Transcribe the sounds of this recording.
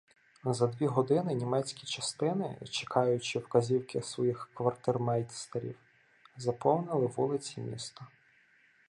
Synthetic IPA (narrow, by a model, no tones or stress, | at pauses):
zɐd̪ʲʋʲiɦɔd̪ɪnɪnʲimɛt͡sʲkʲit͡ʃɐst̪ɪnɪ̰t͡ʃe̥kʰɑjʊt͡ʃɪwkɐzʲiwkɪsʋɔjixkʋɐrt̪ɪrmɛjt̪ʲst̪ɐɾʲḭw | zɐpɔwnɪlˠɪʋulˠɪt͡sʲimʲḭst̪ɐ